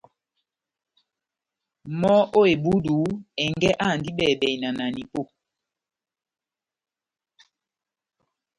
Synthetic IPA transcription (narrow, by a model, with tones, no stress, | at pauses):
mɔ˦o˦e˨bu˦du˨˦ɛ˨ŋɡɛ˦ʔa˦˨ndi˦ɓɛ˨bɛ˨i˨na˨na˨ni˨po˦˨